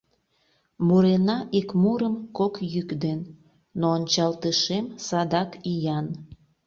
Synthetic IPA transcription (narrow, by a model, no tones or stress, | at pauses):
muɾenɑʔikmuɾəmkokjykd̪enː | oːnʲt͡ɕɑlt̪əʃemsɑd̪ɑkijɑn